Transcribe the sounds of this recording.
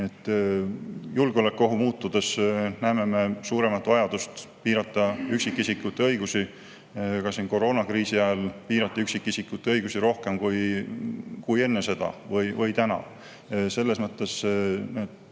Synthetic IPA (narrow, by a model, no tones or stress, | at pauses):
et̪ːˑ | julɡ̥eolekːˑo̞ɦumuːt̪ːˑud̪̥e̞snæeme̞me̞suːɾe̞mɑt̪ːˑvɑjɑd̪̥ust̪piːɾɑt̪ːˑɑyksikːˑisikːˑut̪ːˑeɤjɡ̥usi | kɑsinko̞ɾo̞ːnɑkriːsiæelpiːɾɑt̪ːˑiyksikːisikˑːut̪ːeɤjɡusiɾo̞hke̞mkuj | kuje̞nːe̞se̞d̪̥ɑ̰vɤjvɤjt̪ænɑ̰ | se̞lːe̞smɤt̪ːˑe̞set̪